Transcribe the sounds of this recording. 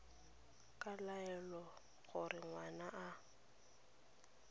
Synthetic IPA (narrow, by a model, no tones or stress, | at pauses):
kʼalaɛlɔ | ɣʊrɪŋwanaʔa